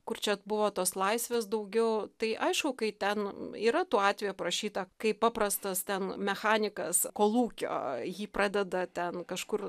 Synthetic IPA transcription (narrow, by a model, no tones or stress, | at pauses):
kʊrt͡ʃʲɛbʊʋoːt̪oːslˠɐɪsʲʋʲeːs̬d̪ɐʊɡʲɛʊt̪ɐɪʔɐɪʃkʊkɐɪt̪ʲɛniːɾɐt̪uːɑːt̪ʲʋʲeːjuːpɾɐʃʲiːt̪ɐkɐɪpɑːpɾɐst̪ɐst̪ʲɛnmʲɛxɑːnʲɪkɐ̰skoːlˠuːkʲo̰ːjiːprɑːd̪ʲɛd̪ɐt̪ʲɛnkɐʃkʊr